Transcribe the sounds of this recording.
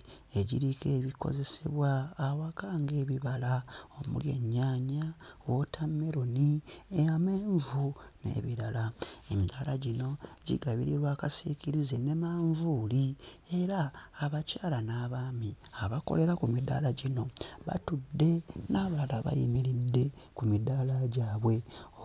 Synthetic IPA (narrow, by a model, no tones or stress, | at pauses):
e̞ɟiɾike̞ːβiko̞̰ze̞seβwaːwakaːŋɡe̞ːβiβalao̞mṵljḛɲːaːɲawotʰamːe̞ɾo̞nieameːɱvune̞̰βiɾalaemidalaɟino̞ɟḭɡaβḭɾiɾwaːkasikiɾizene̞maːɱvuːlie̞ɾaːβacaːlanaːβaːmiaβako̞̰le̞ɾakumida̰laɟino̞βa̰tudːe̞naβalaβa̰jimiɾidːe̞ | kumidalaɟaːβwe̞